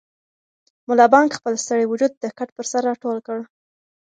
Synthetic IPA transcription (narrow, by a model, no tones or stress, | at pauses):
mʊlɑbɑŋɡxpəlst̪əɽewʊd͡ʒud̪̚ːəkaʈ̚pəɾsaɾːɑʈolkəɽ